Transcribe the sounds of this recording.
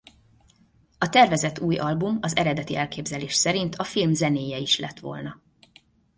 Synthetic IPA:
ɒt̪ɛrvɛzɛt̪uːjɒlbumɒzɛɾɛd̪ɛt̪iɛlkeːbzɛleːʃsɛɾint̪ʰɒfilmzɛneːjɛiʃlɛt̪ʋo̞̰lnɒ

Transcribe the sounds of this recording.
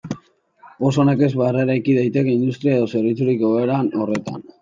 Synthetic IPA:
o̞sone̞ke̞zβareɾajkiðajt̪e̞ke̞ind̪ust̪ɾiaeð̞o̞se̞ɾβit͡suɾikoɣeɾano̞re̞t̪a̰n

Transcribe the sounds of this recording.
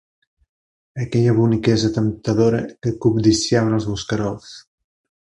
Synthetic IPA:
əkɛʎəβunikɛzət̪əmt̪əðoɾəkəkub̚d̪isiaβənəlˠzβuskəɾɔlˠs

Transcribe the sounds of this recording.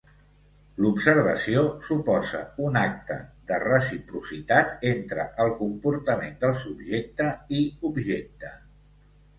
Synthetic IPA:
lubsəɾβ̞ə̰siosupɔzə̰unak̚t̪ə̰ðərəsipɾusit̪at̪ent̪ɾəʔəlˠkumpuɾt̪əmend̪əlˠsubʒek̚t̪əiubʒek̚t̪ə

